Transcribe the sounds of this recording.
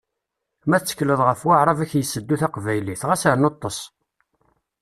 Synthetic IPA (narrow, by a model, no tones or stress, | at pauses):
mæθt͡sːə̥kləðˤʁəfwaʕɾˤɑvæçjəsːəd̪ːuθaqvæjliθʁæsæɾnot̪ˤːosˤ